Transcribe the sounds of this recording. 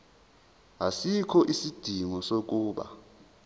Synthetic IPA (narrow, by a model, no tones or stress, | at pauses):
asikʰɔʔisid̥ʱiŋɔsok̬ʼuːɓa̰